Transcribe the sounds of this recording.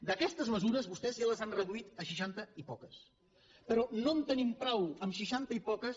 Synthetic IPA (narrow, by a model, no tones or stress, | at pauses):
d̪əkɛst̪əzməzuɾəzβust̪ɛzjaləzanrəðuit̪əʃ̬iʃ̬ant̪əipɔkəs | pəɾɔnont̪ənimpɾɔwəmʃiʃant̪əipɔkəs